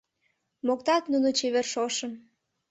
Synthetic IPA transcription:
mokt̪ɑt̪nunot͡ɕeβerʃoʃə̆m

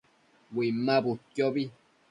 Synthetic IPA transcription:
wimːãbut̪jɔbi

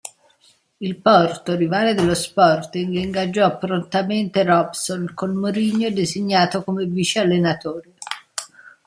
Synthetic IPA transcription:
ilpɔrt̪orivaːled̪ɪlːospɔrt̪iŋɡliŋɡad͡ʒːɔpːɾont̪ament̪erɔbsolkolmoɾiɲːod̪eziɲːaːt̪okomeviːt͡ʃealːenat̪ɔːɾi

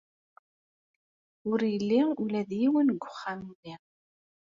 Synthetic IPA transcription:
ʊɾjəlːiʊlæðjiwənɡʷːʊ̥χːammiʁ

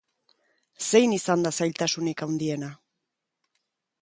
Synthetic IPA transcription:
se̞jnisand̪asajʎʲt̪asunikawnd̪ie̞na

